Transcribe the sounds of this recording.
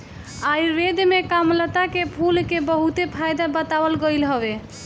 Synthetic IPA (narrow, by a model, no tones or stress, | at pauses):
ajɾed̪mekamlət̪akepʰulkebəɦut̪epʰajd̪abət̪abəlɡəjlɦɔbe